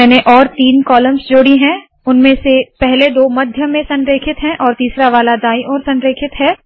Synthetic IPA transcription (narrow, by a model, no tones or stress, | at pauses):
ɛːneʔɔːɾt̪iːnkɔːləmsd͡ʒoːɽiɦɛ̃ː | ʊnmẽsepɛɦled̪oːmɐd̪ʱjəmẽsɐ̃nɾeːkʰɪt̪ɦɛ̃ʔɔːɾt̪iːsɾaʋaːlad̪aːiʔɔːɾsɐ̃nɾeːkʰɪt̪ɦɛː